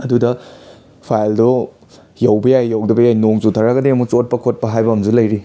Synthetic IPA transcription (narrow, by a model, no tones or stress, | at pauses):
ɐdudɐ | pʰajldo | jɐwbɐjajːɐwdɐbɐjajnoŋzutʰɐɾɐɡɐdiɐmut͡ʃot̚pɐkʰot̚pɐɦajbɐmd͡ʒulɐjɾi